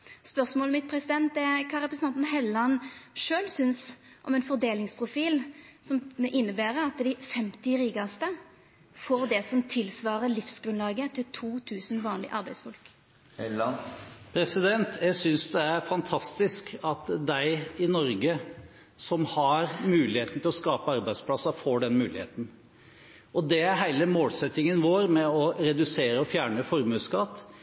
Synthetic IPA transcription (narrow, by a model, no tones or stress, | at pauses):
spœʁsmoːlmɪt̪̚pʰɾɛsɪd̪ɛnt̪ɛkʰɑːɾɛpɾsn̩ɑnt̪nɦɛlɑnʂøːlsʏns | ʔɔ̰mɛnfɔʁd̪eːlɪŋspʰʁʊfiːlsɔmʔɪnːəbæːɾəɑt̪d̪ɪfɛmt̪ɪʁiːɡɑst̪ə | foːʁd̪ɛsɔmt̪ʰɪlsʋɑːʁəlɪfsɡɾʉnlɑːɡət̪ʰɪlt̪ʰuːt̪ʰʉːsn̩ʋɑːnlɪ̰ʔɑɾbæɪsfɔlk | pʰɾɛsɪd̪ɛnt̪ʰjæsʏnsd̪ɛæɾfɑnt̪ʰɑst̪ɪskɑt̪d̪æɪɪnɔɾɡə | sɔmhɑɾmʉːlɪheːt̪n̩t̪ʰɪlɔskɑːpəɑɾbæɪd̪spʰlɑsɑfoːɖɛnmʉːlɪhḛːt̪n̩ | ʔɔd̪ɛæɾɦæɪləmoːlsɛt̪ːɪŋənʋoːɾmɛɔɾɛd̪ʉseːɾəɔfjæːɳəfɔɾmʉːskɑt̪ː